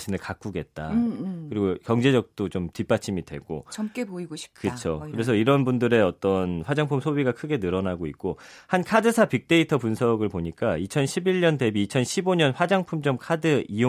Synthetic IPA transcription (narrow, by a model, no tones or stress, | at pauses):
t͡ɕʰinɯɭkak͈uɡe̞t̚t͈a̰kɯɾiɡokjʌŋd͡ʑe̞d͡ʑʌk̚t͈ot͡ɕomtip͈at͡ɕʰimidwe̞̰ɡo̰t͡ɕʌk͈epoiɡoɕʰi̥p̚kɯt͡ɕʰokɯɾe̞sʰʌiɾʌnbundɯɾe̞ʌt͈ʌnɸwad͡ʑaŋpʰumsʰobiɡakʰɯɡe̞nɯɾʌnaɡoḭk̚k͈ohankʰadɯsʰapik̚t͈e̞itʰʌpunsʰʌɡɯɭpoɲik͈ait͡ɕʰʌnɕʰibiɭɲʌnde̞biːt͡ɕʰʌnɕʰiboɲʌnɸwad͡ʑaŋpʰumt͡ɕʌmkʰadɯijo